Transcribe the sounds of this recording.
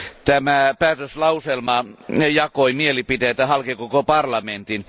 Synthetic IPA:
t̪æmæpæːt̪øslɑuselmɑjɑkoimielipit̪eːt̪æhɑlkekokopɑrlɑment̪in

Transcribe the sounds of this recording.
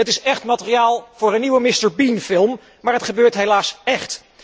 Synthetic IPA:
ətɪsɛχtmatərijaːlˠv̥ʊːɾənːiwəmɪstəɹbinfɪlˠm | maːɹɦətχəbøːɹtɦejlaːsɛχt

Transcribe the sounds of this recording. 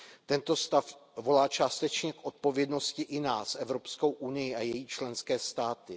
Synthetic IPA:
t̪ɛnt̪o̞st̪afvo̞laːt͡ʃaːst̪ɛt͡ʃɲɛkʔo̞t̪̚po̞vjɛdno̞scɪʔɪnaːsʔɛvɾo̞pskowʔunɪjɪʔajɛjiːt͡ʃlɛnskɛːst̪aːt̪ɪ

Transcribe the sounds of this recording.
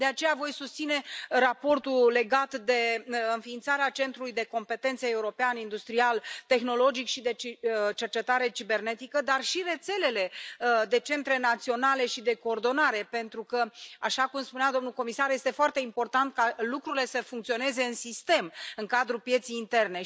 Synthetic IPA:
d̪e̞at͡ʃe̞javo̞jsust̪sine̞rapo̞rt̪ule̞ɡat̪d̪e̞ɨnfiːnt̪saɾeat͡ʃe̞nt̪ɾulujd̪e̞ko̞mpe̞t̪e̞nt̪see̞uɾo̞peanind̪ust̪ɾialt̪e̞xno̞lo̞d͡ʒikʃid̪e̞t͡ʃe̞rt͡ʃe̞t̪aɾe̞t͡ʃibe̞rne̞t̪ikəd̪arʃire̞t̪se̞le̞le̞d̪e̞t͡ʃe̞nt̪ɾe̞nat̪sio̞nale̞ʃid̪e̞ko̞ːrd̪o̞naɾe̞pe̞nt̪ɾukəaʃakumspunad̪o̞mnulko̞misarje̞st̪e̞foart̪e̞impo̞rt̪ant̪̚kalukɾuɾile̞səfuŋkt̪sio̞ne̞ze̞ɨnsist̪e̞mɨŋkad̪ɾupje̞t̪sijːnt̪e̞rne̞

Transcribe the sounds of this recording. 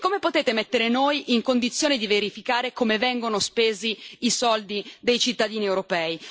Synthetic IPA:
kːomepot̪eːt̪emet̪ːeɾenoːjʔiŋkond̪it̪sːjoːned̪iveɾifikaːɾekomevɛŋɡonospeːziisɔld̪id̪ejt͡ʃit̪ːad̪iːniewɾopɛːi

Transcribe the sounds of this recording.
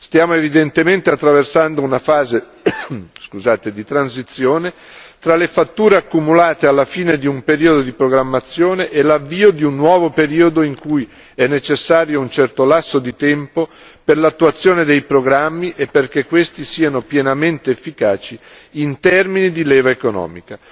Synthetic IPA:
st̪jaːmoevid̪ent̪ement̪eat̪ːɾaversand̪ounafaːze | skuzaːt̪ed̪it̪ɾansit̪sːjoːne | t̪ɾalefat̪ːuːɾeakːumulaːt̪ealːafiːned̪iumpeɾiːod̪od̪ipɾoɡɾamːat̪sːjoːneʔelavːiːod̪iunːwɔːvopeɾiːod̪oiŋkuj | ɛnːet͡ʃesːaːɾjount͡ʃɛrt̪olasːod̪it̪ɛmpo | perlat̪ːuat̪sːjoːned̪ejpɾoɡɾamːiʔepːerk̟ekːwest̪isiːanopjɛnament̪eːfːikaːt͡ʃi | int̪ɛrminid̪ilɛːvaekonɔ̰ːmika

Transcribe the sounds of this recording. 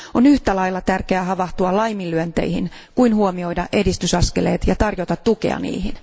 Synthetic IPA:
onyht̪ælɑjlːɑt̪ærkeæɦɑʋɑht̪uɑlɑjmilːyønt̪e̞̰ijhḭn | kuinhuomio̞idɑʔe̞dist̪ysɑske̞le̞̰ːt̪jɑt̪ɑrjo̞t̪ɑt̪ːuke̞̰ɑ̰nḭːhin

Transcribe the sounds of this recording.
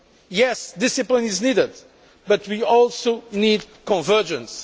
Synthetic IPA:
jɛsd̪ɪsɨplĩniznidɪd̪ | bʌt̪ʰwiɔlˠsonid̪ | kɔ̃nvɜ˞ʒə̃ns

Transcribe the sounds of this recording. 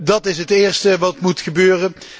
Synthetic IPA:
dɑtɪsɦətɪːɹstəʋɑtmutχəbøːrən

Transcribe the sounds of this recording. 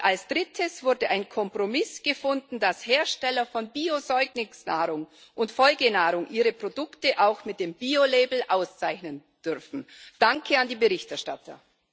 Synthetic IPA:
ʔalsd̥ʁɪtʰəsv̥ʊɐdəʔaɪnkʰɔmpʁ̥omɪsɡ̥əfʊndn̩dasheːɐʃtɛlɐfɔnbiːozɔʏɡnɪŋsna̰ːʁʊŋ | ʔʊntfɔlɡənaːʁʊŋʔiːʁəpʁ̥odʊktəʔaʊxmɪt̚d̥eːmbiːolɛːbl̩ʔaʊst͡saɪçnən | d̥ʏʁfn̩d̥aŋkʰəandiːbəʁɪçtɛɐʃtatʰɐ̰

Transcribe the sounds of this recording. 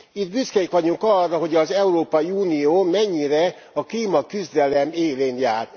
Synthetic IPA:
it̪byskɛjikʋɒɟuŋkɒrːɒɦo̞ɟɒzɛuroːpɒiuːnijoːmɛɲːiɾɛ | ɒkliːmɒkyzd̪ɛlɛmeːleːnjaːr

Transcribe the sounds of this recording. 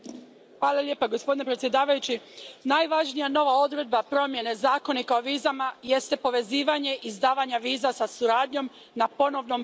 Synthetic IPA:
xʋaːlˠalʎje̞ːpaɡo̞spo̞d̪ine̞pɾet̪sje̞d̪aːʋajut͡ɕinajʋaʒnijano̞ʋao̞d̪ɾe̞d̪̚bapɾo̞mje̞ne̞zaːko̞nikaoʋiːzamaje̞st̪e̞po̞ʋe̞ziːʋaɲe̞ʔizd̪aːʋaɲaʋiːzasasuɾaːd̪ɲo̞m | napo̞no̞ʋno̞m

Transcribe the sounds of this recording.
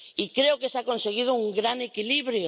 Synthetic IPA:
ikɾeokesakonseɣ̞ið̞ʊuŋɡɾanekiliβɾjo

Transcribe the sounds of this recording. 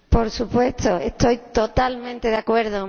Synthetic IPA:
poɾsupwest̪oest̪ojt̪ot̪almẽnt̪eðakweɾðo

